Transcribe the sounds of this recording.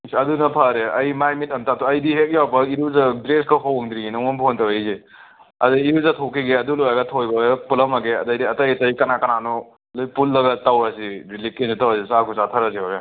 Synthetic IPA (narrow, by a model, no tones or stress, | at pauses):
sɐdunɐpʰaɾeɐjmajmitɐmtatuɐjdiɦek̚jawbɐiɾuzadɾeskaɦɔwŋd̪ɾiɡinɔŋɔnpʰontɐwaze | ɐ̰dɯiɾuzatʰokʰiɡeɐdulojaɡɐtʰojbɐpulɐmaɡeɐ̰dɐjdiɐtɐjtɐjkɐnakɐnanɔ | lojpulːɐɡɐtawɾasiɾilikːinsitawasisakʰusatʰɐɾasiɔɾe